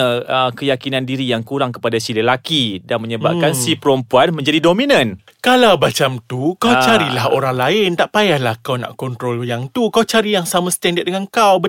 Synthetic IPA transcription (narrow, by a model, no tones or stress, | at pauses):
əəkəjakinãndiɾijaŋkuɾaŋkə̥padasililakidanmə̃ɲəba̰p̚kansipəɾɔmpuanmə̃ɲd͡ʒadidomĩnə̃n | kalawbat͡ʃamt̪ukawt͡ʃaɾilaɦo̰ɾaŋlaɪnt̪aʔpajahlahkawnã̰ʔkɔnt̪ɾɔljaŋt̪ukawt͡ʃaɾijaŋsamãst̪ɛndat̪̚dəŋankawbə